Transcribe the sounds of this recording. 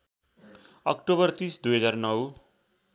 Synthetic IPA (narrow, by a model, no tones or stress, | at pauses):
ʌkʈobʌrt̪isd̪ujɦʌd͡zarnʌw